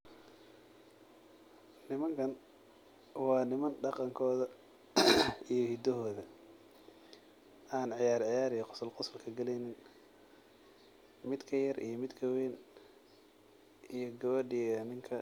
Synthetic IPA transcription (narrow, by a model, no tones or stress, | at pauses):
nɪmɐŋkʰɐn | wɑːnɪmɐnɖɑqɑŋkʰɔːðɐ | ijɞhid̪ɐɦɔːðɐ | ʔaːnʕɪjaːɾʕɪjaːɾijqʊsɐlqʊsɐlkʰɐɡɐlɛjnɪn | mɪd̪kʰɐjɐrʔḭjɞmɪd̪kʰɐwɛːn | ʔijɞɡɐwɐɖiɐnɪŋkʰɐ